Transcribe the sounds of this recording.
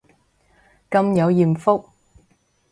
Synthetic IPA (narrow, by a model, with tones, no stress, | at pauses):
kɐ˧mjɐ˨˧wjiː˨˩mfʊ˥k̚